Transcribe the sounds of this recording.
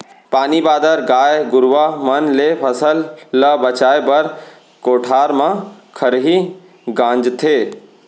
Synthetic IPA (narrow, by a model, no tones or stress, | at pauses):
paːnibaːd̪əɾɡaːjɡʊɾʋamɐnlepʰɐsəlːəbɐt͡ʃaːebɐɾ | koːʈʰaːɾmãkʰəɾɦi | ɡãːnd͡ʒt̪ʰeː